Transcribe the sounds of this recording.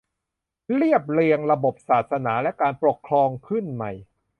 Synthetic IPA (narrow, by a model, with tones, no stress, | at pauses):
ɾi˥˩əp̚li˧əŋɾa˧bo˨˩p̚saː˨˩t̪̚sa˧naː˩˦lɛ˦˥kaː˧npɾo˨˩kʰɾɔː˧ŋkʰɯ˥˩nma˨˩j